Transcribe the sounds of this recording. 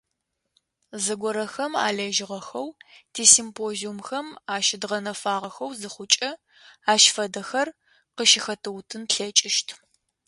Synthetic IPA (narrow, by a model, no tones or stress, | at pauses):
zɨɡʷɔɾɐxɐma̰ːɮeːʒɪʁɐxɐwtʰiːsimpʰoːziumxɐmaːʃɪdʁɐnɐfaːʁɐxɐwzɨχʷʊt͡ʃʼɐ | aːʃfɐdɐxɐr | qəʃɪxɐtʰɨwtʰɨnɬɐt͡ʃʼɪʃtʰ